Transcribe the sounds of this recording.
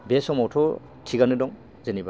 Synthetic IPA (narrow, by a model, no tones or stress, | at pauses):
besɔmawtʰɔ | tʰiɡanɯdɔŋ | zeniba